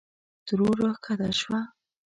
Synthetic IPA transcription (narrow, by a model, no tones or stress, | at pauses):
d̪̥ɾoɾokʰad̪aʃwa